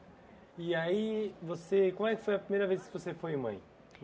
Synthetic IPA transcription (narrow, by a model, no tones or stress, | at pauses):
iaivosekõm̃wɛkɪ̥fojɐpɾimejɾɐveskɪvosefojmɐ̰̃j̃